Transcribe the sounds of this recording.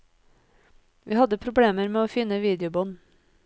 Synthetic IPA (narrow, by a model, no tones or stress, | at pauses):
ʋʔiːhɑd̪əpʰɾʊbleːməɾmeːoːfɪnəʋiːd̪ɪʊbɔn